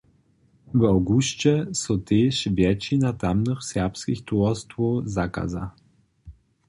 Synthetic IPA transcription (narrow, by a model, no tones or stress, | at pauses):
vawɡuɕt͡ɕɛsɔt̪eʃvʲjɛt͡ɕinat̪amnɨxsʲɛʁpskʲixt̪uɔst̪vuzaka̰za